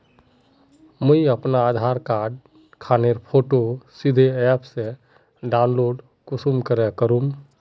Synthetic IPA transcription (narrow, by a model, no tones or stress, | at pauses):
məiəpnaːd̪ʱaɾkaːɖ | kʰaːneɾpʰoːʈosid̪ʱeɛpʰse | ɖaʊnloːɖ | kusumkəɾɛkəɾum